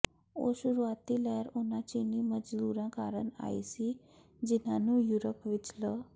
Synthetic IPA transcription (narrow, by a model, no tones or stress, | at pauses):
o̰ɕuɾuat̪iləjaɾonat͡ɕiniməd͡zd̪uɾãkaɾəɳa̰jsi | d͡ʑin̤anuːjuɾəpʋit͡slə